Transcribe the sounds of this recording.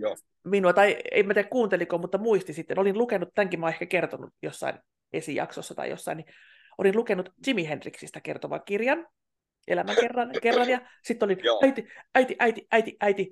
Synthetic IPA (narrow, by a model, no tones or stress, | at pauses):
minuɑt̪ɑiḛimæt̪iækkuːnt̪elikomut̪ːɑmuist̪isit̪ːenolinlukenːˑut̪t̪æŋkimæoːˑehkækert̪onṵjosːɑ̰in | esijɑ̰ksosːɑt̪ɑ̰ḭj̰jo̰sːɑ̰ini | ʔolinlukenːut̪timihendriksist̪ækḛrt̪oʋɑ̰kirjɑn | ʔḛlæmæŋkerːɑnkerːɑnjɑ | sit̪ːolinæit̪iæit̪iʔæit̪iʔæit̪iʔæit̪i